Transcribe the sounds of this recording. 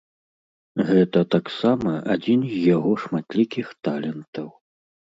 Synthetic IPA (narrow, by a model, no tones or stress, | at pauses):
ɣɛt̪ɐt̪aksamɐʔad͡zʲinzʲjaɣɔʂmat̪lʲikʲixt̪alʲɛnt̪ɐw